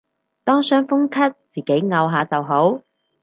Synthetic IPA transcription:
t̪ɔː˥ŋsœː˥ŋfʊ˥ŋkʰɐ˥t̚t͡siː˨ke˨˥jŋɐ˧wɦaː˨˧t͡sɐ˨wɦo˨˥w

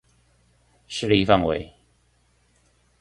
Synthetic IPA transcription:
ʂɻ̩˥˧li˧fa˥˨ŋwḛ˨˧˦ɪ

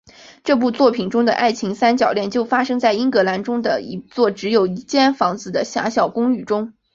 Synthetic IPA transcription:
ʈ͡ʂɤ˥˧p̬u˥˧t͡swɔ˥˩pʰi˨˩nʈ͡ʂʊ˥ŋd̪ə̰˨ʔa̰˥˩ɪt͡ɕʰi˧˥ŋsa˥nt͡ɕjɑ˨˩ʊljɛ˥˧nt͡ɕjo˥˩ʊfa˥ʂɤ˥ŋt͡sa˥˩ɪi˥ŋkɤ˧˥la˧˥nʈ͡ʂʊ˥ŋd̪ə̰˨i˧˥t͡swɔ˥˩ʈ͡ʂɻ̩˧˥jo˨˩ʊi˧˥t͡ɕjɛ˥˩nfɑ˧˥ŋd͡zɹ̩˧˩d̪ə˩ɕja̰˧˥ɕjɑ˨˩ʊkʊ˥ŋy˥˩ʈ͡ʂʊ˥ŋ

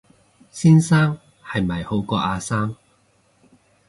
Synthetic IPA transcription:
siː˥nsaː˥ŋ | hɐ˨˩jmɐ˨˩jho˨˧wkɔː˧ʔaː˧saː˥ŋ

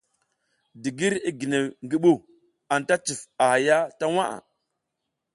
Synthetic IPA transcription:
di˨ɡi˦ɾi˦ɡi˨ne˨ŋɡi˦ɓu˦ | a˨nta˦t͡ʃi˨fa˨ha˨ja˦ta˦wa˦ʔa̰˨

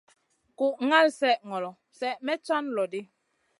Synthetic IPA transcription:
ku˨ʔŋa˦˨lsɛ˦ʔŋɔ˨lɔ˨ | sɛ˦˨ʔmɛ˦t͡ʃɔ˦nlɔ˨di˦

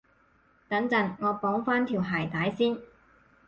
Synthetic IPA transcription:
k̪ɐ˨˥ŋt͡sɐ˨˥nŋɔː˨˧pɔː˨˥ŋfaː˥nt̪ʰiː˨˩wɦaː˨˩jt̪aː˨˥jsiː˥n

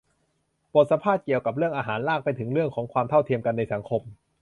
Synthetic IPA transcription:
po˨˩t̪̚sa˧pʰaː˥˩t̪̚ki˨˩əwka˨˩p̚ɾɯ˥˩əŋʔaː˧ɦaː˩˦nlaː˥˩k̚pa˧jt̪ʰɯ˩˦ŋɾɯ˥˩əŋkʰɔː˩˦ŋkʰwaː˧mt̪ʰa˥˩wt̪ʰi˧əmka˧nːa˧jsa˩˦ŋkʰo˧m

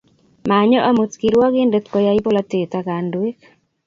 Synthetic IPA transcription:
ma˨ɲɔ˦ʔa˦mu˨tki˨ɾwɔ˦ɡɪ˦nde˦t̪kɔ˨ja˦i˦po˦la˦t̪e˨t̪a˦ka˨ndwe˦k

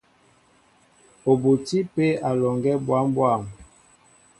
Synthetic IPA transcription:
o˨bo˨ti˦pe˦a˨lɔ˨ŋɡɛ˦bwa˨˦mbwa˦˨m

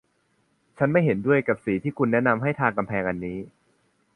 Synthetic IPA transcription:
t͡ɕʰa˦˥nma˥˩jɦe˩˦ndu˥˩əjka˨˩p̚siː˩˦t̪ʰiː˥˩kʰu˧nːɛ˦˥na˧mɦa˥˩jt̪ʰaː˧ŋka˧mpʰɛː˧ŋʔa˧nːiː˦˥

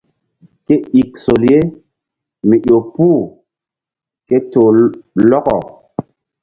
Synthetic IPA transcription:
ke˦i˨k̚so˨lje˦ | mi˨ʔo˨puː˦˨ | ke˦to˨lɔ˦kɔ˨

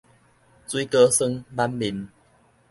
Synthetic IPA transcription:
t͡swi˦kə˦sə˦˧ŋla˦mli˨˦n

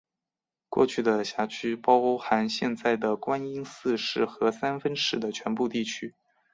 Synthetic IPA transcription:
kwɔ̰˥˧t͡ɕʰy˥˩d̪ə˩ɕja˧˥t͡ɕʰy˥pɑ˥ʊo˥ʊxa˧˥nɕjɛ˥˧nt͡sa˥˩ɪd̪ə˩kwa˥ni˥ŋsɹ̩˥˧ʂɻ̩˥˩xɤ˧˥sa˥nfə˥nʂɻ̩˧˥d̪ə˨t͡ɕʰɥɛ˧˥npu˥˧t̪i˥˩t͡ɕʰy˥

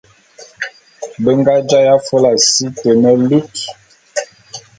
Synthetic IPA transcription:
bə˦ŋɡa˦d͡ʒa˦ja˦fo˦la˨si˦tə˨nə˦lu˦t

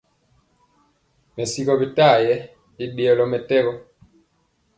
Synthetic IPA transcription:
mɛ˨si˦kɔ˦bi˨ta˦˨jɛ˨˦ | i˦ɗe˨ɔ˨lɔ˨˦mɛ˨tɛ˦ɣɔ˦

